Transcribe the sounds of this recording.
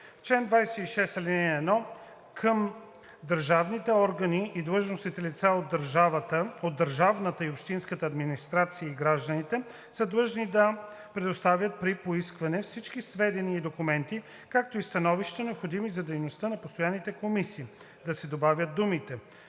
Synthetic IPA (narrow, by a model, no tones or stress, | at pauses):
ft͡ʃlɛnd̪vajsɛiʃɛsɐlʲinɛɛːnɔ | kʰəm | d̪əɾʒavnit̪ɛɔɾɡəniid̪lˠɤʒnosnit̪ɛlit̪saod̪ːəɾʒavət̪əod̪ːəɾʒavnət̪əiopʃt̪inskət̪əɐd̪minist̪ɾat̪sijəiɡɾaʒd̪ənit̪ɛ | səd̪lˠɤʒnid̪ɐ | pɾɛd̪ost̪avʲjət̪̚pɾipoiskvɐnɛfsit͡ʃk̟isvɛd̪ɛniːd̪okumɛnt̪i | kak̚t̪oist̪ɐnɔviʃt̪ənɛopxod̪imizɐd̪ɛjnost̪ənɐpost̪ojanit̪ɛkomisiː | d̪ɐsɛd̪obavʲjət̪̚d̪umit̪ɛ